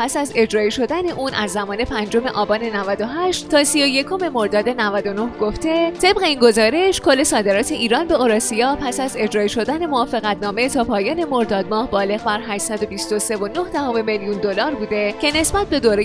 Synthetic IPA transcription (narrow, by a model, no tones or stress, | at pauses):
pæsæze̞d͡ʒɾɒːiʃo̞d̪æne̞ʔuːnʔæzːæmɒːne̞pʰænd͡ʒo̞me̞ʔɒːbɒːne̞nævæd̪o̞ɦæʃt̪t̪ʰːɒːsijo̞je̞kʰo̞me̞mo̞ɾd̪ɒːd̪e̞nævæd̪o̞no̞hɡ̥o̞ft̪e̞t̪ʰe̞b̚ɣe̞iːnɡo̞zɒːɾe̞ʃkʰo̞lːe̞sɒːd̪e̞ɾɒːt̪ʰe̞ʔiːɾɒːnbe̞oɾɒːsijɒːpʰæsæze̞d͡ʒɾɒːiʃo̞d̪æne̞moɒːfe̞ɣæt̪nɒːme̞t̪ʰɒːpʰɒːjɒːne̞mo̞ɾd̪ɒːd̪mɒːhbɒːle̞ɣbæɾɦæːʃsæd̪o̞bist̪o̞se̞vo̞no̞hd̪æhome̞meljund̪o̞lɒːɾbuːd̪e̞cʰe̞ne̞sbæt̪̚be̞d̪oːɾe